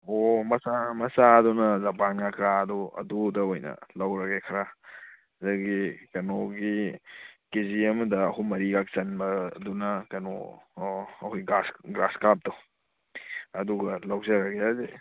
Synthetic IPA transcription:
omɐsamɐsaɐdunɐzɐpanakʰɾaɐduɐ̰dudɐojnɐ̰lɐwɾɐɡekʰɐɾa | zɐɡikɐnoɡi | kiziɐmɐdɐːhumɐɾiɡak̚t͡ʃɐnbɐdunɐkɐno̰ | ɐhujɡasɡɾaskap̚dɐw | ɐduɡɐlawd͡ʒɐɾɐɡeaze

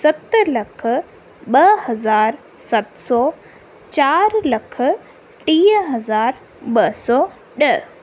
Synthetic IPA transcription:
sɐt̪lɐkʰə̆ | ɓɐɦɐzaːɾ | sɐt̪sɔː | t͡ɕaːɾlɐkʰə̆ | ʈiːəɦɐzaːɾ | ɓɐsɔː | ɗɐɦ

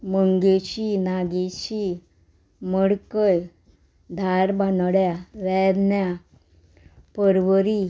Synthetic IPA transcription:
məŋɡet͡ɕiːnaɡet͡ɕiː | məɽkəj | d̪ʱaɾbanɽjaʋɛd̪nja | pəɾʋəɾi

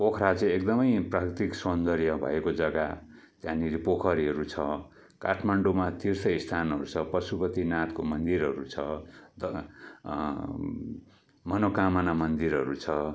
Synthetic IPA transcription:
pokʰɾat͡sʌ̃ĩek̚d̪ʌmʌjprakrit̪iksond̪ʌɾjʌbʱʌ̰ekod͡zʌɡa | t̪jãniɾipokʰʌɾiɦʌɾut͡sʰʌ | ka̰ʈʰmaɳɖomat̪ʰirsʌjst̪ʰanɦʌ̰ɾut͡sʰʌpʌsupʌt̪inat̪komʌnd̪iɾɦʌ̰ɾut͡sʰʌd̪ʌ | mʌnokamʌnamʌnd̪iɾɦʌɾut͡sʰʌ

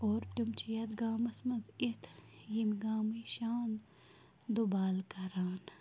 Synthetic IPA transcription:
oːɾt̪umt͡ʃʰijɐd̪ɡaːmɐsmɐnzit̪ʰjimɡaːmiʃaːn | d̪ubaːlkɐɾaːn

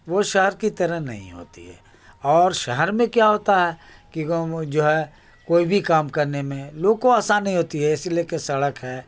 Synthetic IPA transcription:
ʋoʃɛɦɛɾkit̪ɐɾəɦnɐ̰ɦḭ̃ɦo̰ːt̪ḭɦɛ̰ː | ɔːɾʃɛɦɛɾmẽkjaɦoːt̪aɦɛkid͡ʒoːɦɛ | koːibʱikaːmkɐɾnemẽloːɡ̚koaːsaːnːɦĩɦoːt̪iɦɛɪsiliekesɐɽəkɦɛː

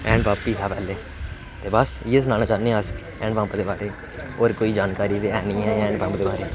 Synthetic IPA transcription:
ɛ̃ːɳbaːpːiːɦaːpɛːleː | t̪eːbəsjes̬naːlat͡ʃaːnẽəs | ɛ̃ːɳɖbə̃ːmpd̪eːbaːɾeː | oːɾkoːiːd͡ʒaːnkaːɾiːt̪eːɛːnĩːɦɛ̃ːãɛ̃ːɳbə̃ːmpd̪eːbaːɾeː

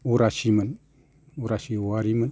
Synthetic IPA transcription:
uɾasimən | uɾasiuaɾimən

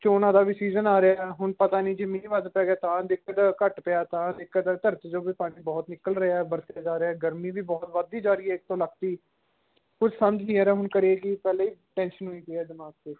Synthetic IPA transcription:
t͡ʃoːnãːd̪aːbiːsiːzənaːɾeaːɛɦʊɳpət̪aːnĩːd͡ʒeːmĩʋəd̪pɛːɡaːt̪ãːd̪ɪkʰːət̪ːkəʈpɪaːt̪ãːd̪ɪkːət̪at̪əɾt̪d͡ʒoːbiːpaːɽiːbɔːt̪nɪkəlɾeaːɛːbəɾt̪jaːd͡ʒaːɾeaːɡəɾmiːbiːbɔːt̪ʋəd̪iːd͡ʒaːɾiːɛːɪkt̪õːləkt̪iː | kʊd͡ʒʰsəməd͡ʒnĩːɛːɾɛːɦʊɳkəɾeːɡiːpɛːleːiːʈɛ̃ːnʃənɦoiːpeːɛːd̪əmaːk̚t̪eː

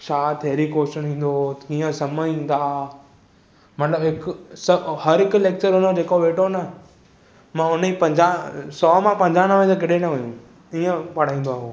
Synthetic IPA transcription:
t͡ɕʰaːt̪ʰeːɾikoːʃənɦĩːn̆d̪okĩːə̃sɐməĩːnd̪aː | mɐt̪ləbɦɪksɐhɐɾɦɪkleːk̚t͡ɕəɾɦʊnəd͡ʑeːkoʋeːʈonɐ | mãʊnəipɐ̃ɲd͡ʑasɔːmãpɐ̃ɲd͡ʑaːnəʋẽsk̬ɪɗenɐʋɐ̃jũ | iːə̃pɐɽ̤aːĩːn̆d̪oaːɦoː

